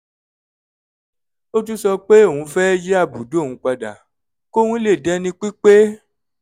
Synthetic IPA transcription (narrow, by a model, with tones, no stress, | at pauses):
o˦tu˦sɔ˧k͡pe˦o˦˨ũ˧fɛ˦d͡ʒe˦a˦˨bu˨do˦o˦˨ũ˧˦k͡pa˧da̰˨ | ko˦wũ˦le˦˨dɛ˦nĩ˧k͡pi˦k͡pe˦